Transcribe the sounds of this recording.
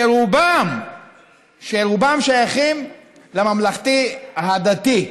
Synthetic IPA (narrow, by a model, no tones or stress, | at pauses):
eɾubam | ʃeɾubamʃajaχim | lemamlaχt̪ihad̪at̪i